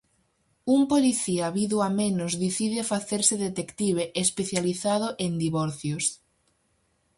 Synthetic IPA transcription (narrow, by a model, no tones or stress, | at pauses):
umpoliθiaβiðʊamenʊzðiθiðɪfaθeɾsɪðet̪ekt̪iβeʔespeθjaliθaðʊʔend̪iβɔɾθjos